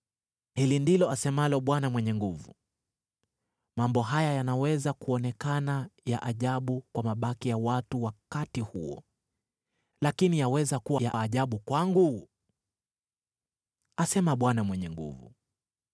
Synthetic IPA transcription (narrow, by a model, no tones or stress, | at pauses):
hilindilɔasɛmalɔɓwanamwɛɲɛŋɡuvṵ | mambɔɦajajanawɛzakuɔnɛkanajaʔaʄaɓukwamaɓakijawatuwakatihṵɔ̰ | lakinijawɛzakuwajaːʄaɓukwaŋɡu | asɛmaɓwanamwɛɲɛŋɡṵvṵ